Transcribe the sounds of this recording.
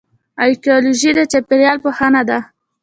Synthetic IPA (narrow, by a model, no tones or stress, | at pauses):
ajkiɑluʒid̪at͡ʃapeɾjɑlpəhanad̪a